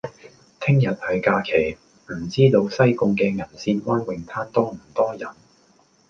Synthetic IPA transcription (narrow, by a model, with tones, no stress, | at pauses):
t̪ʰɪ˥ŋjɐ˨t̚hɐ˨jkaː˧kʰe˨˩j | m̩˨˩t͡siː˥t̪o˧wsɐ˥jkʊ˧ŋkɛː˧ŋɐ˨˩nsiː˧nwaː˥nwɪ˨ŋt̪ʰaː˥nt̪ɔː˥m̩˨˩t̪ɔː˥jɐ˨˩n